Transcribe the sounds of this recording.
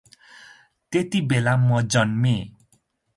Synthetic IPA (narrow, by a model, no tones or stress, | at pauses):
t̪et̪ibelamʌd͡zʌnme